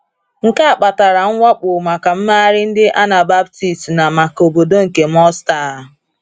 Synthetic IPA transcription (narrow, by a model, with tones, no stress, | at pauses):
ŋ̩˦ka˦a˨k͡pa˨ta˨ɾa˨ŋ̩˦ŋʷa˦k͡pʊ˨ma˨ka˨m̩˦ma˦ɾɪ˦n̩˦dɪ˦ʔa˦na˨ba˦bti˨stna˨ma˨ko˨bo˨do˦ŋ̩˨ke˨m˦ɔ˦sta˦˨